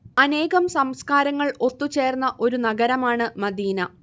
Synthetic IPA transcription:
ɐne̞ːɣɐmsɐmskaːɾɐŋːɐɭo̞t̪ːut͡ɕe̞ːrnːɐʔo̞ɾunɐɡɐɾɐmaːɳɨmɐd̪iːnɐ

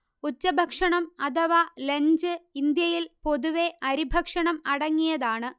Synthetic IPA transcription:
ut͡ɕːɐbʱɐkʂɐɳɐmɐd̪ɐʋaleɲd͡ʑɨind̪jɐjilpo̞ðuʋe̞ʔɐɾibʱɐkʂɐɳɐmɐɽɐŋːijɐðaːɳɨ

